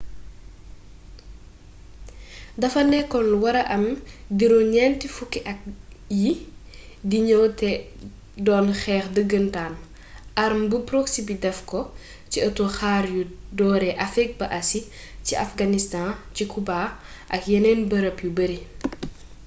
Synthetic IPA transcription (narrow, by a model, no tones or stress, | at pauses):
dɐfɐnɛkɔlwɐɾɐʔɐmdiɾɔɲɛntifukːiʔɐk̚ji | diɲɔwtɛ | dɔːnxɛːxdəɡəntaːn | ʔɐɾmbəpɾoksibidɛfkɔ | ciɐtoxaːɾjudɔːɾɛʔɐfɛk̚bɐʔɐsi | ciɐfɡanistãcikubaː | ʔɐkjɛnɛnbɐɾɐpjubəɾi